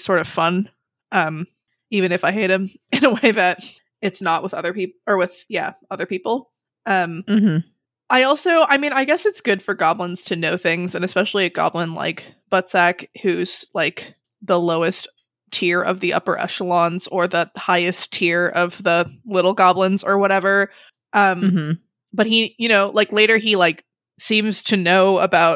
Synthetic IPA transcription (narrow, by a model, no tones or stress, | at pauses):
sɔɹɾʌv̥fʌ̃n | ʔʌ̃m | ivɨ̃ñɨfaɪɦeɪɾ̚ɨ̃mɨ̃nəweɪðɨt̚ | ɨtsnəʔwəðʌ̰ðə˞pip̩ə˞wɪð̥jæ̰ʌðə˞pipl̩ˠ | ʔʌ̃mm̩m̥m̩ | ʔaɪɔlˠsoʊʔaɪmĩnaɪɡɛsɨtsɡ̥ʊd̥fə˞ɡɑblə̃nz̥tʰɨnoʊθɪ̃ŋzɨ̃nɨspɛʃl̩ˠiɨɡ̥ɑ̰blə̃nla̰ɪkb̥ʌtsækhʉz̥laɪk | ðəloʊɨst | tʰɪɹʌ̰vðiʌ̰pə̰˞ʔɛ̰ʃəlɑ̃nz̥ə˞ðəhaɪɨstʰɪɹʌvðəlɪɾl̩ˠɡɑblə̃nzə˞wʌɾɛvə˞ | ʔʌ̃m̩m̥m̩ | b̥ʌt̚hijɨnoʊlaɪkleɪɾə˞ilaɪk | sĩmz̥tʰɨnoʊəbaʊt̚